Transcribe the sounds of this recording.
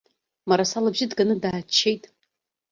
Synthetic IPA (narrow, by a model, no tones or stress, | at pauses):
maɾasalabʒɪdɡanɨdaːt͡ʃʰːejtʼ